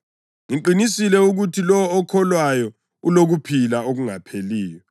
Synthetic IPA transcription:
ŋiǃinisilɛuɣutʰilɔɔːkʰɔlwajɔ | uloɣupʰilaoɣuŋapʰeliːjɔ

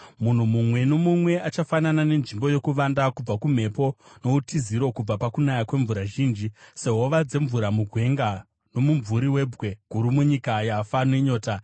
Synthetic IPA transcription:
mun̤umumwe̞no̞mumwe̞at͡ʃafananane̞nʐimbojo̞kuʋandakub͡vakum̤e̞po̞no̞utiziɾo̞kub͡vapakunajakwe̞ɱvuɾaʒiːnd͡ʒise̞ɦo̞ʋad͡ze̞ɱvuɾamuɡʱwe̞ŋɡa | no̞muɱvuɾiwe̞bwe̞ɡ̥ʱuɾumuɲikajafanwe̞ɲo̞ːta

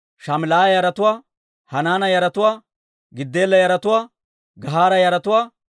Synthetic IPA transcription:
ʃamɪlaːɐjɐɾɐt̪ʊwaː | hɐnaːnɐjɐɾɐt̪ʊwaː | ɡɪd̪ːeːlːɐjɐɾɐt̪ʊwaː | ɡɐɦaːɾɐjɐɾɐt̪ʊwaː

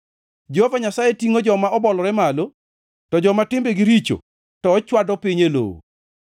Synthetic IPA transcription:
d͡ʒehovaɲasajetiŋod͡ʒɔmaɔbɔlɔɾɛmalo | tɔd͡ʒɔmatɪmbeɡɪɾit͡ʃo̰ | tɔːt͡ʃwadɔpiɲelo̰wo̰

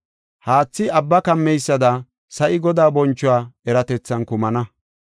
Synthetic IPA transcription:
haːt͡sːɪɐbːɐkɐmːɛjsːɐd̪ɐ | sɐʔɪɡɔd̪aːbɔnt͡ʃːʊwaːɛɾɐt̪ɛt͡sːɐnkʊmɐnɐ

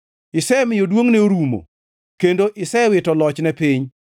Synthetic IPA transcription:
ɪsɛmɪjodwoŋneoɾumo̰ | kendoʔɪsɛwɪtɔlɔt͡ʃnɛpɪɲ

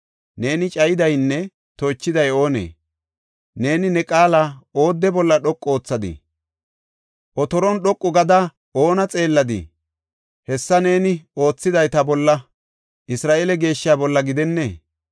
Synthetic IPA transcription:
ne̞ːnɪt͡ʃʼɐjɪd̪ɐjnːɛ | t̪oːt͡ʃːɪd̪ɐjo̞ːnḛː | ne̞ːnɪnɛkʼaːlao̞ːd̪ːɛbɔlːɐɗɔkʼːo̞ːt͡sːɐd̪ɪ̰ | ʔɔt̪ɔɾɔnɗɔkʼːʊɡɐd̪ɐ | o̞ːnɐt͡sʼe̞ːlːɐd̪ɪ̰ | hɛsːɐne̞ːnɪo̞ːt͡sːɪd̪ɐjt̪ɐbɔlːɐ | ʔɪsɾaːʔeːlɛɡe̞ːʃːɪaːbɔlːɐɡɪd̪ɛnːeː

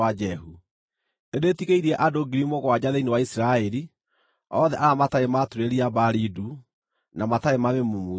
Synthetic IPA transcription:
ad͡ʒɛɦu | edeːtiɣeiɾiɛʔadoɡiɾimoɣwad͡ʑaðeinewaisiɾaɛɾi | ɔðɛʔaɾamataematuɾeɾiabaɾidu | namataemamemumu

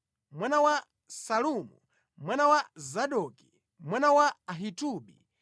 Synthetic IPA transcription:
mwanawa | saluːmṵ | mwanawazaɗɔki̥ | mwanawaːɦituɓḭ

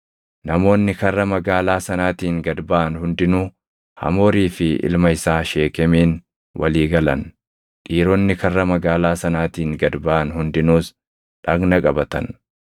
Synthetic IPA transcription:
nɐmo̞ːnːɪkɐrːɐmɐɡaːlaːsɐnaːt̪iːŋɡɐd̪baʔːnhʊnd̪ɪnʊ | hɐ̰mo̞ːɾiːfɪʔɪ̰lmɐɪsaːʃe̞ːkɛmeːn | wʔɐ̰liːɡɐlɐn | ᶑiːɾɔnːɪkɐrːɐmɐɡaːlaːsɐnaːt̪iːŋɡɐd̪baʔɐnhʊnd̪ɪnuːs | ᶑɐɡnɐkʼɐbɐt̪ɐn

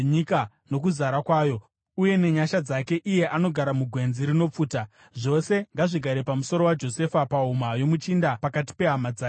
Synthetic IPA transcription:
ɲika | no̞kuzaɾakwaːjo̞ | uje̞ne̞ɲaʃad͡zake̞ʔije̞ʔano̞ɡʱaɾamuɡʱwe̞nziɾino̞p͡fuːta | ʐo̞se̞ŋɡaʐiɡʱaɾepamuso̞ɾo̞wad͡ʒo̞se̞fapaɦumajo̞mut͡ʃindapakat̬i̥pe̞ɦamad͡zaː

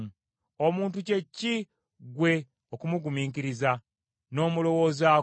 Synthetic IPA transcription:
omuːntuce̞cːi | ɡwe̞ | okumuɡumiːŋkiɾiza | no̞ːmulo̞wo̞ːza

